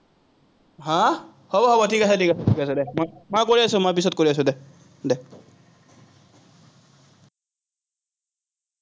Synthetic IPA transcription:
ɦã | hɔbɔɦɔbɔtʰikasɛtʰikasɔtʰikasɛd̪ɛmɔmakoɹiasumap̬isɔt̪̚koɾiasud̪ɛ | d̪ɛ

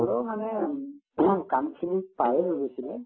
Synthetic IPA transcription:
ɔɹɔmanɛ | kamkʰinipajɛloɡesilɛ

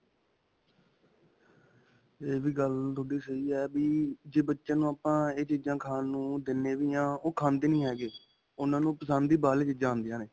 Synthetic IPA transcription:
eːʋiːɡəlt̪ʰoːɽiːsəiːɛːbiːd͡ʒeːbətːʃãːnũːaːpãːeːt͡ʃiːd͡ʒãːkʰaːnnũːd̪ɪnːeːʋiːãːoːkʰãːnd̪eːnĩːɦɛːɡeː | ʊnãːnũːpəsand̪iːbaːleːt͡ʃiːd͡ʒãːɦʊnd̪ɪjãːneː

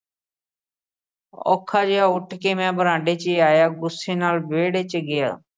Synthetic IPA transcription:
ɔ̰ːkʰaːd͡ʒeːaːʊʈʰkeːmɛ̃ːbəɾãːɳɖeːt͡ʃeːaːjaːɡʊseːnaːlʋeːɽeːt͡ʃəɡɪja̰ː

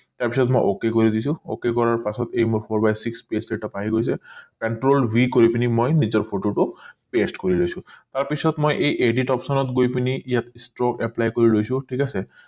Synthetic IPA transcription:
t̪aɹpisɔtmojʔo̰kekoɹid̪isʊ̃o̰kekɔɹaɹpasɔtejmuɹpʰoɹbajsikspesleʈɔpaɦiɡojsɛpɛnʈɹolbikoɹipinimojnizɔɹpʰoʈoʈʊpesʈkoɹilojsʊ̃taɹpisɔtmojʔejʔeɖiʈɔpsɔnɔtɡojpiniʔijatsʈɹɔkɛplajkoɹilojsʊ̃ʈʰikasɛ

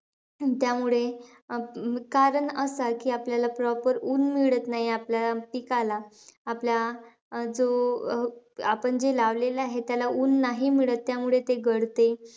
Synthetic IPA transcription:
t̪jamuɭe | kaɾəɳəsakiːapljalapɾɔpəɾuːnmiɭət̪naɦiapljaapikalaː | plja | d͡zo | apəɳd͡ʑelaʋlelaɦet̪jalauːnːaɦimiɭət̪ːjamuɭet̪eɡəɽt̪e

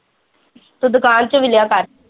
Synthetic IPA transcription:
t̪ud̪ukaːnt͡ʃuʋɪljaːkaːɾ

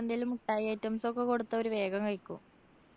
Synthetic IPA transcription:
ɐnd̪elumuʈːaːjeːjtːɐmsokːekoɽut̪ːɐo̞ɾuʋe̞ːɡɐŋkɐɻkʲːṵm

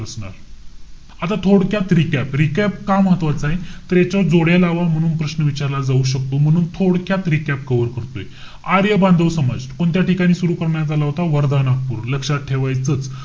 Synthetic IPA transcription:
əsɳa̰ɾ | at̪at̪ʰoɽkjat̪ɾikɛpɾikæpkamɦət̪ʋat͡saɦit̪əɾjat͡ɕɔd͡zoɽjalaʋam̤əɽ̃uːnpɾəɕnəʋit͡ɕaɾlad͡zauɕək̚t̪om̤əɽ̃uːnt̪ʰoɽkjat̪ɾikɛp̚kəʋəɾkəɾt̪oje | aɾjəband̪ʱəʋsəma̰d͡zkoɳt̪jaʈikaɽ̃iːsuɾukəɾɳjad͡zalaɦot̪aʋəɾd̪ʱanak̚puːɾləkɕaʈʰeʋajt͡sət͡s

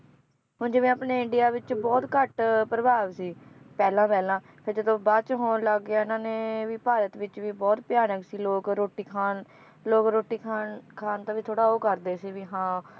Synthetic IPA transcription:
ɦʊnd͡ʒeʋẽːaːpneːɪɳɖɪjaːʋɪt͡ʃbɔːt̪kəʈpɾəbaːʋsiːpɛːlãːpɛːlãː | pʰɪɾd͡ʒəd̪õːbaːt͡ʃɦoːnləɡːaːɪnãːnẽːʋiːpaːɾət̪ʋɪt͡ʃʋiːbɔːt̪pɪjaːnəksiːloːkɾoːʈiːkʰaːn | loːkɾoːʈiːkʰaːnkʰaːnt̪aːʋiːt̪ʰoːɽaːoːkəɾd̪eːsiːʋiːɦãː

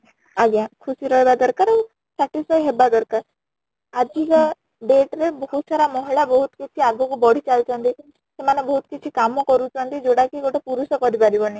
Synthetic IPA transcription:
aɡjãkʰusiɾɔɦebad̪ɔɾkaɾa | saʈisʰajɦebad̪ɔɾkaɾ | ad͡ʒikɔ | ɖeʈɾebɔɦut̪saɾamɔɦiɭabɔɦut̪kit͡ʃʰiaɡɔkubɔɽ̤it͡ʃalt͡ʃʰɔnt̪i | semanebɔɦut̪kit͡ʃʰikamɔkɔɾut͡ʃʰɔnt̪id͡ʒoɽakiɡoʈepuɾusɔkɔɾipaɾibɔni

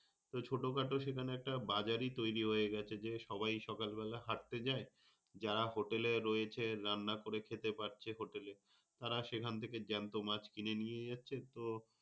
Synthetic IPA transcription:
t̪ot͡ɕʰoʈokaʈoʃekʰaneɛk̚ʈabad͡ʑaɾit̪ojɾiɦoeɡɛt͡ɕʰed͡ʑeʃɔbajʃɔkalbɛlaɦaʈ̚t̪ed͡ʑae | d͡ʑaɾaɦoʈeleɾɔjet͡ɕʰeɾanːakoɾekʰet̪epaɾ̚t͡ɕʰeɦoʈele | t̪aɾaʃekʰant̪ʰeked͡ʑɛnt̪omat͡ɕkinenijed͡ʑatːɕʰet̪o

